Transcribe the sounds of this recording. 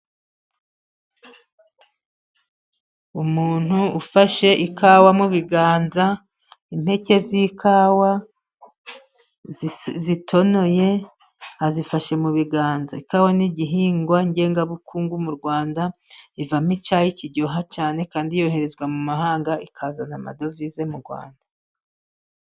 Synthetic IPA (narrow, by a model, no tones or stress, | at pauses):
umuːn̥huːfaʃe̞ʔikawamuβiɡaːnza | in̥he̞ce̞zikʰaːwa | zitʰo̞no̞je̞ | hazifaʃe̞muβiɡaːnzaikaːwaniɟiɦiːŋɡwaiɲɟe̞ːŋɡaβukʰuːŋɡumuɾɡwaːndaivamit͡ʃajiciɟoɦat͡ʃaːne̞kaːndijo̞he̞ɾe̞zɡwamumahaːŋɡaikʰaːzanama̰do̞vize̞muɾɡwa̰ːnda